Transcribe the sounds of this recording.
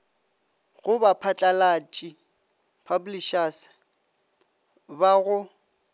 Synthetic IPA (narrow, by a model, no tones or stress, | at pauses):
ɣʊbapʰat͡ɬʼalat͡ʃʼi | pʰabliʃas | baɣʊ